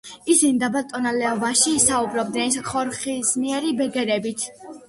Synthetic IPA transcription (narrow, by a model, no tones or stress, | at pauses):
isinid̪abat̪ʼɔnalɛɔvaʃiːsaubɾɔb̚d̪nɛnsχɔɾχismiɛɾibɛɡɛɾɛbit̪ʰ